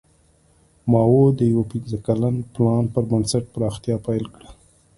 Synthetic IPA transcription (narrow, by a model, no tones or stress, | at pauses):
mɑwod̪əjawapinzəkalanplɑnpəɾbənsaʈ̚pɾɑxt̪jɑpajlkɽə